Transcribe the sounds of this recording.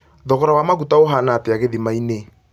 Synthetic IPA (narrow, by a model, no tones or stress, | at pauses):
ðɔɣɔɾawamaɣutaoɦanaːteaɣeðimaine